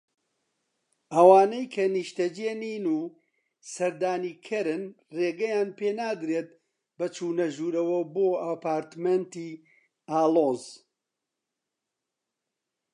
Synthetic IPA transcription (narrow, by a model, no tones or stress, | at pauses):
ʔɐwaːnejkʰɐniʃt̪ɐd͡ʒeːniːnuː | sɐɾd̪aːniːkʰɐɾɨn | reːɡɐjaːnpeːnaːd̪ɾet̪̚ | bɐt͡ʃuːnɐʒuːɾɐwɐboːɐpaːɾt̪ment̪iː | aːloːz